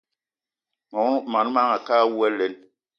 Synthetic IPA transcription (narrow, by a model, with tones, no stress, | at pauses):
mɔ˨˦ma˨n˦ma˦ŋa˨kaː˦wu˦ɛ˦le˨˦n